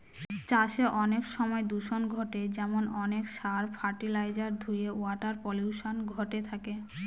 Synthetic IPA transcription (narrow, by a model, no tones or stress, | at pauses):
t͡ɕaʃeʔɔnekʃɔmɔed̪uʃonɡʱoʈed͡ʑɛmonɔnekʃaɾfʰaɾʈilajd͡ʑaɾd̪ʱujeaʈaɾpoljuʃonɡʱoʈet̪ʰake